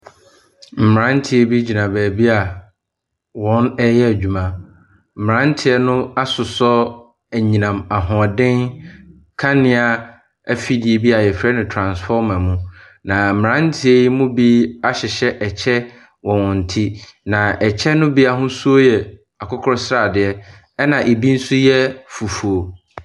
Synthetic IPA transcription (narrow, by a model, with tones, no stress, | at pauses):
m̩˨m˨ɾã˦n̩˦tʰɪ˦e˦bi˦d͡ʑi˨nã˨bæː˨bi˦a˨ | wɔ̃˦nɛ˦jɛ˦æ˨d͡ʑᶣu˨mã˦ | m̩˨ɾã˦n̩˦tʰɪ˦ɛ˦nʊ̃˦a˦sʊ˨sɔ˦ | æ˨ɲĩ˨nã˨ma˨ɦɔ̃˨a˨dɪ̃˦n | kʰã˦nɪ̃˦a˨ | æ˦fi˦di˨e˨bi˦a˨jɛ˨fɾɛ˦nɪ̃˨tʰɾã˨nsfɔ˦mã˨mũ˦ | nã˨mɪ˨ɾã˦n˦tʰɪ˦e˦ji˦mũ˦bi˦a˦ɕɪ˨ɕɛ˦ʔɛ˨t͡ɕʰɛ˦ | wɔ̃˨wɔ̃˨n̩˨tʰi˦nã˨ɛ˨t͡ɕʰɛ˦nʊ̃˦bi˦a˨ɦʊ̃˦su˦o˦jɛ˨ | a˨kʰʊ˦kʰɔ˦sɾa˨dɪ˨ɛ˦ | ɛ˦nã˨ʔe˨bi˦n̩˦sʊ˦jɛ˦fu˨fu˨o˨